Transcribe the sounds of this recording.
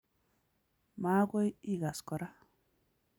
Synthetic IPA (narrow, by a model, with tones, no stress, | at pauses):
ma˦ɡo˦jiɡa˨skɔɾa